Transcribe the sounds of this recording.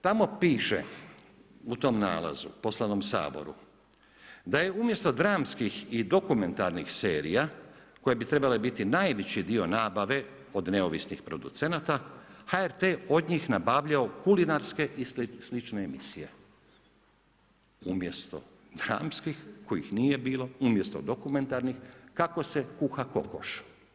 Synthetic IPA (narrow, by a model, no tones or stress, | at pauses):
t̪amo̞piːʃḛ | ut̪o̞mna̰ːla̰zṵpo̞slˠanomsa̰ːbo̞̰ɾṵ | d̪aje̞umje̞st̪o̞d̪ɾaːmskixid̪okume̞nt̪aɾnixseːɾḭjako̞jebit̪ɾe̞balebit̪inaːjʋet͡ɕid̪io̞naːbaʋe̞ | o̞d̪ne̞oʋisnixpɾo̞d̪ṵt̪se̞nat̪ahaeɾt̪eo̞d̪ɲixnabaːʋʎaokulinaɾske̞ʔislit͡ʃneːmisije̞̰ | umje̞st̪o̞̰ | d̪ɾa̰ːmskixkojḭxnije̞biːlo̞umje̞st̪o̞̰d̪o̞kume̞nt̪aɾnixkako̞se̞kuxako̞̰ko̰ʃ